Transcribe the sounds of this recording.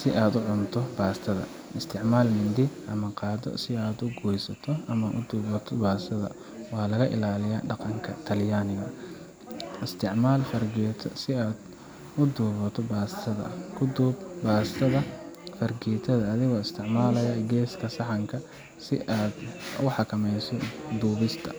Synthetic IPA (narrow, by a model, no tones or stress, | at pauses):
sɪʔaːd̪ʊʕʊnt̪ʰɔbaːst̪ʰɐðɐ̰ | ɪst̪ʰɪʕmaːlmɪnd̪ɪɐmɐqɑːd̪ɔ̰sɪaːd̪ʊɡujsɐt̪ʰɔʔɐmɐʔʊ̰d̪uːβɐt̪ʰɔbaːsɐðɐ̰ | wɑːlɐɣɐʔɪ̰laːlɪjaːɖɑqɑŋkʰɐ̰t̪ʰɐljaːnɪɣɐ | ɪst̪ʰɪʕmaːlfɐrɡɛːt̪ʰsɪaːd̪ | ʊd̪uːβɐt̪ʰɔbaːsɐðɐ̰kʰʊd̪uːbbaːst̪ʰɐðɐfɐrɡɛːt̪ʰɐðɐːðɪɣɔːɪst̪ʰɪʕmaːlɐjɐɡɛːskʰɐsɑħɑŋkʰɐ | sɪ̰ʔaːd̪ʊħɑkʰɐmɛjsɔd̪uːβɪst̪ʰɐ